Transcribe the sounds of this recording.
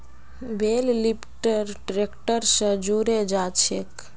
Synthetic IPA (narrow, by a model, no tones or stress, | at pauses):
bellipʈəɾʈɾekʈəɾsə̃d͡ʒuɾed͡ʒat͡ʃʰek